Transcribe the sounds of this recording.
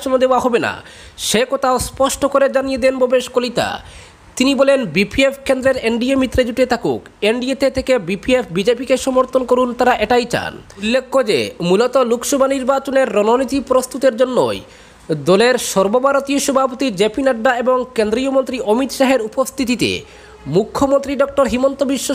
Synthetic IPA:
onod̪eoaɦɔbena̰ʃekot̪ʰaospɔʃʈokoɾed͡ʑanijed̪enbobeʃkolit̪a̰ | t̪inibɔlenbipʰiefkend̪ɾeɾeɳɖiemit̪ːɾed͡ʑuʈet̪ʰakṵkeɳɖiet̪ʰet̪ʰekebipiefʰbid͡ʑepikeʃɔmoɾt̪ʰonkoɾunt̪aɾaʔeʈajt͡ɕa̰nulːekʰːod͡ʑḛmulot̪olukʃɔbʱaniɾbat͡ɕoneɾːɔnonit̪ipɾost̪ut̪eɾd͡ʑonːo̰j | d̪ɔleɾʃɔɾbobʱaɾot̪ioʃɔbʱapot̪id͡ʑepinaɖːaeboŋkend̪ɾiomont̪ɾiʔomit̪ʃaɦeɾupost̪ʰit̪̬it̪ḛ | mukʰːomont̪ɾiɖɔk̚ʈoɾɦimont̪obiʃːo

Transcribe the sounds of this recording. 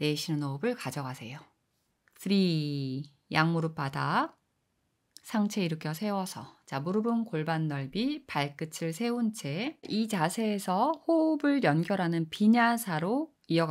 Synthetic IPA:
ne̞ɕʰinɯnobɯɭkad͡ʑʌɡasʰe̞̰jo | pɯɾi | jaŋmuɾɯp͈ada | sʰaŋt͡ɕʰe̞iɾɯkʰjʌsʰe̞wʌsʰʌt͡ɕamuɾɯbɯnkoɭbanːʌɭbipaɭk͈ɯt͡ɕʰɯɭsʰe̞unt͡ɕʰeit͡ɕasʰe̞ːsʰʌhobɯɭjʌnɡjʌɾɦanɯnpiɲasʰaɾo | iʌɡ

